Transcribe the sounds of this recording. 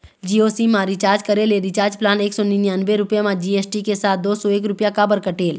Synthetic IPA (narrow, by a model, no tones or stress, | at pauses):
d͡ʒiːoːsimãɾit͡ʃaːɾd͡ʒkəɾeleɾit͡ʃaːɾd͡ʒplaːneːksɔːninjãːnbeɾʊpjamãd͡ʒiːeːsʈikesaːt̪̚d̪oːsɔeːkɾʊpjakabəɾkəʈeːl